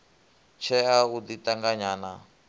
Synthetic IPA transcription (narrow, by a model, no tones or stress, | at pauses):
t͡ʃʰɛaud̪itaŋɡaɲaːna